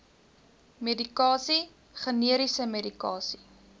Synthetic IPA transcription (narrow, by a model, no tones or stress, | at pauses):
medikɑːsi | χəniəɾisəmedikɑ̰ːsi